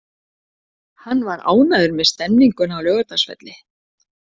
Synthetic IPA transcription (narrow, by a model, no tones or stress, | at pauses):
hanːvaɾa̰ːwnaðʏɾmɛðst̪ɛmniŋkʏnawlœːɣʏt̪asfɛ̰t̪lɪ